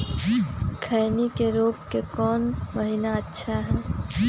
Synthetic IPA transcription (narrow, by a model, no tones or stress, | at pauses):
kʰəɪnikeɾoːpkekɔːnməɦinaətːʃʰaɦɛː